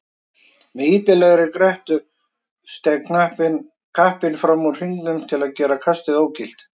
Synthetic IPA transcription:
mɛðiːt̪ɪlɛɣɾɪkɾɛht̪ʏ | st̪ɛɣkʰnahpɪn | kʰahpɪnfɾamːuɾ̥hiŋknʏmt̪ʰɪlaðcɛːɾakʰast̪ɪðoːwcil̥t̪

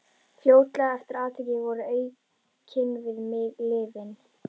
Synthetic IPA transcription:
fljoːwt̪laɛft̪ɪɾaːðt̪ʰɪːcɪvɔɾʏeːɥ | cʰɪnvɪðmɪðlɪːvɪn

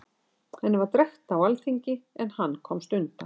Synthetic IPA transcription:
hɛnːɪvaɾt̪ɾɛht̪awalθiɲcɪɛnhanːkʰɔmst̪ʏnt̪a

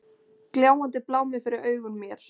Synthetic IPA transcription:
kljaːwant̪ɪplaːwmɪfɪɾɪɾœːɥɣʏnmjɛɾ̥

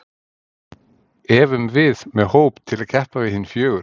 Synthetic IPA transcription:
ɛːvʏnvɪðmɛðhowpt̪ʰɪlɛcʰɛhpavɪðhɪnfjœːɣʏ

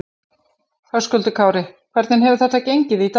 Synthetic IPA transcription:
hawskʏlt̪ʏkʰaːwɾɪkʰvɛɾt̪nɪnɦɛvʏθɛt̪ːacejɲcɪðit̪

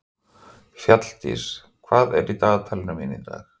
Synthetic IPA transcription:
fjat̪l̥t̪ḭs | kʰvaːðɛ̰ɾit̪aːðt̪ʰalɪnamɪnint̪a̰x

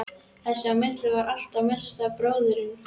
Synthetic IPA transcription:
θɛsːamɪt̪lɪvaɾal̥t̪amɛst̪apɾoːwðʏɾɪn

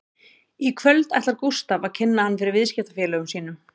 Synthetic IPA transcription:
ikʰvœlt̪a̰jht̪aɾkust̪avacʰɪnːahanːfɪɾɪɾvɪðscɛt̪afɛːlœːɣʏmsiːnʏm

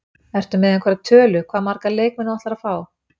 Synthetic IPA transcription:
ɛr̥t̪ʏmɪːðɛnkʰvɛɾat̪ʰœːlʏkʰvaːðmaɾkaleːjk̚mɛnavɔht̪laɾaðfaːw

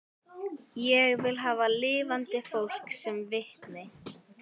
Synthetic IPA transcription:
jɛɣvɪlɦaːvalɪːvant̪ɪfowl̥ksɛmvɪht̪nɪ

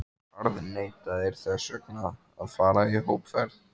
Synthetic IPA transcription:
aɾðneːjt̪aðɛɾ̥θɛsœkna | aðfaːɾaiɦoːwpfɛɾθ

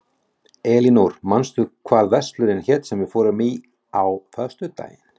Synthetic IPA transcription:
ɛːlinowɾ̥manst̪ʏkʰvaːɾðvɛst̪lʏɾɪnçɛt̪sɛmvɪfɔːɾʏmi | awfœ̥st̪ʏt̪a̰ːjɪn

